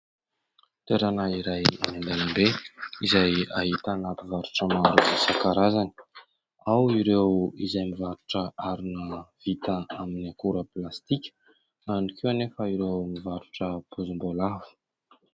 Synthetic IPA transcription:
t̪eɾanaiɾajnand̪alambeizajaɦit̪anapivaɾuʈ͡ʂəmaɾuvisakaɾazani̥ | awiɾewizajmivaɾuʈ͡ʂəaɾunəv̥it̪əaminakuɾəplast̪ikʲə̥ | anikʰewanefəiɾewmivaɾuʈ͡ʂəpʰuzumbolavu̥

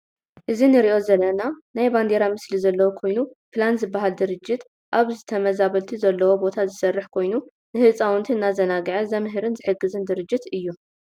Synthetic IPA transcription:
ʔɨzinɨɾiʔo̞zɐlːɐnanajband̪eɾamɨslizɐlːɐwokʰo̞jnupʰlanzɨbːaɦald̪ɨɾɨd͡ʒːɪt̪ | ʔaβzɨt̪ʰɐmɐzaβɐlt̪ʰizɐlːɐwo̞bo̞t̪ʰazɨsɐrːɨħkʰo̞jnu | nɨhɨt͡sʼawɨnt̪ʰinːazɐnaɡʕazɐmɦɨɾɨnzɨħɨɡːɨzɨnd̪ɨɾɨd͡ʒːɪt̪ɨjːu

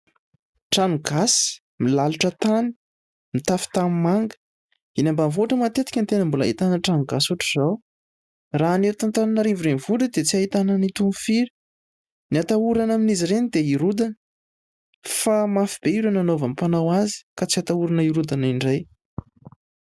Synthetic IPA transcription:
ʈ͡ʂanuɡasi̥ | milaluʈ͡ʂət̪ani̥ | mit̪afi̥t̪amimaŋɡə̥ | inambamvoʈ͡ʂəmat̪et̪i̥kʲant̪enəmbula̰ɦit̪anəʈ͡ʂanuɡasuʈ͡ʂə̥z̥aw | ranet̪ant̪ananaɾivuɾenvuɖ͡ʐəd̪et͡siaɦit̪anənit̪umufiɾi̥ | niat̪auɾanaminiziɾenid̪eiɾud̪anə | famafib̥eiɾananovamipanawazi̥kat͡siat̪auɾanəiɾud̪aniɳɖ͡ʐaj

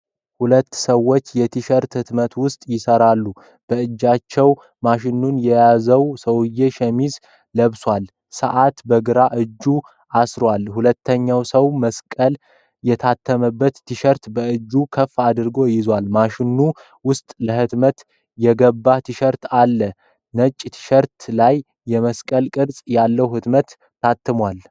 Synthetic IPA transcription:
hulət̪ːsəwːo̞t͡ʃːjɛt̪ʰiʃəɾt̪hɨt̪mət̪wʊst̪ʼjɪsəɾalːu | b̥əɨd͡ʒːat͡ʃːɛw | maʃɪnːunjɛjazəwsəwɨjːeʃɛmiz | ləβswal | səʔat̪bəɡɨɾaʔɨd͡ʒːu | ʔasɾwalhulət̪ːəɲːawsəwməskʼəl | jɛt̪ʰat̪ʰːəməbːət̪ʰːɨʃəɾt̪bəɨd͡ʒːukʰəfːad̪ɨɾɡo̞jɪzwalmaʃɪnːu | wʊst̪ʼləhɨt̪mət̪ | jɛɡəbːat̪ʰɨʃəɾt̪alːə | nət͡ʃʼːt̪ʰɨ̥ʃəɾt̪lajː | ɛməskʼəlkʼɨɾsʼjalːəwhɨt̪mət̪ː | at̪ʰːɨmwal

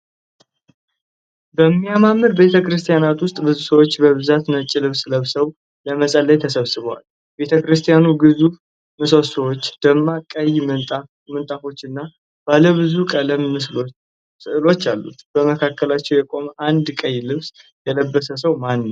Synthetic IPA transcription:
bəmːijamamːɨɾbe̞t̪ʰəkɾɨst̪ʰʼijanat̪wʊst̪ʼbɨzusəwot͡ʃːbəβɨzat̪nət͡ʃʼːɪlɨβsləβsəw | ləməsʼəlːəjt̪ʰəsəβsɨβəwa̰l | be̞t̪ʰəkɾɨst̪ʰʼijanuɡɨzuf | mɨso̞səwot͡ʃːd̪̥əmːakʼəj̪ʼ | mɨnt̪ʼafo̞t͡ʃːɨnːa | b̥aləβɨzukʼələmːɨs | lo̞t͡ʃːalːṵt̪b̥əməkʰakːəlat͡ʃːɛwjɛkʼo̞mʔand̪kʼəjlɨβs | jɛləbːəsəsəwmanːw

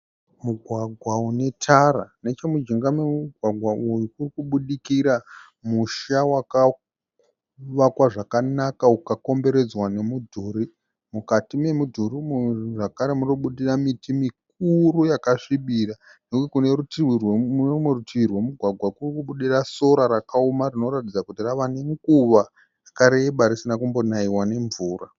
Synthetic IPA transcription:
muɡʱwaɡʱwaune̞tʰaɾane̞t͡ʃemud͡ʒiŋɡamemuɡʱwaɡʱwaʔujukurikuɓuɗikiɾa | muʃawaka | ʋakwaʐakanakaukako̞mbe̞ɾe̞d͡zwane̞mudʱuri | mukatime̞mudʱuɾimʐakaɾe̞munoɓuɗiramitimik̚uɾujakaʂiɓira | nekukekune̞rutiwirwemerutiwirwe̞muɡʱwaɡʱwakurikuɓuɗiraso̞ɾaɾakaomarino̞ɾatid͡zakutiraʋane̞ŋɡuʋa | rakaɾe̞ɓaɾisinakumbo̞naiwane̞ɱvuːra

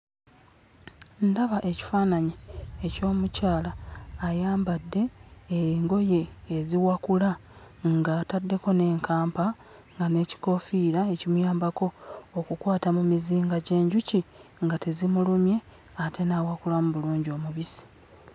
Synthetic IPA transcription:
ndaβaʔe̞ci̥faːnaɲieco̞ːmucaːlaːjaːmbadːe̞ː | ŋɡo̞je̞ːziwakula | ŋɡatadːe̞ko̞ne̞ːŋkaːmpa | ŋɡane̞ci̥ko̞fiːɾaecimujaːmbako̞ːkukwaːtamumiziːŋɡaɟe̞ːɲɟuciŋɡatezimulumje̞ | atʰe̞nawakulamuβuluːɲɟio̞ːmuβisi̥

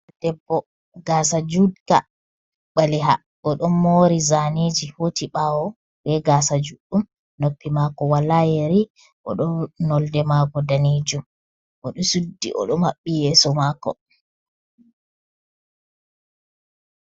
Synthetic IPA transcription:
dɛbːɔ | ɡaːsad͡ʒudka | ɓaliɦa̰ | ʔɔɗɔnmoːɾizaned͡ʒihotiɓawɔ | bɛɡaːsad͡ʒuɗːum | nopːimakɔwalajeɾi | ʔɔ̰ɗɔnɔldɛmakɔdaned͡ʒum | ʔɔɗɔsudːḭʔɔ̰ɗɔmaɓːijɛːsɔmakːɔ̰

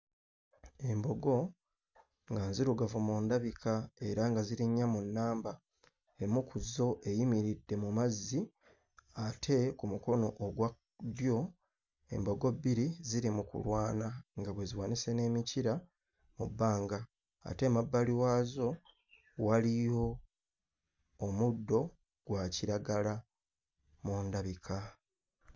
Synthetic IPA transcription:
e̞mbo̞ɡo̞ | ŋɡanziɾuɡavumuːndaβikʰae̞ɾaŋɡaziɾiɲːamunːaːmba | emukuzo̞ʔe̞jimiɾidːe̞mumazːi | atʰe̞kumuko̞noʔoɡwa | djo̞ | e̞̰mbo̞ɡo̞bːiɾiziɾimukṵlwaːnaŋɡaβwe̞ziwaːnise̞ne̞ːmiciɾa | mubːaːŋɡa̰ː | te̞mabːaliwaːzo̞ | walijo̞ | mudːo̞ | ɡ̥waciɾaɡala | muːndaβikʰa

